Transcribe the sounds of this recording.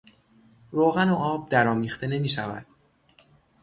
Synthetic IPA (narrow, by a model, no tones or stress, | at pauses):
ɾoːɣænoʔɒːb̚d̪æɾɒːmiːxt̪ʰe̞ne̞miːʃævæ̰d̪̥